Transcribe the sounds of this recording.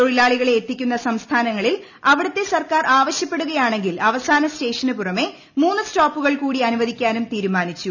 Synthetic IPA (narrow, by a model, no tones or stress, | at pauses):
t̪o̞ɻilaːɭiɣɐɭe̞ːt̪ːikʲːunːɐsɐmst̪ʰaːnɐŋːɐɭil | ɐʋiɽɐt̪ːe̞sɐrkaːrʔaːʋɐɕjɐpːe̞ɽuɣɐjaːɳe̞ŋɡilɐʋɐsaːnɐste̞ːʂɐnɨpurɐme̞ | muːnːustoːpːuɣɐɭkuːɽiɐnuʋɐd̪ʱikʲːaːnumt̪iːɾumaːnit͡ɕːu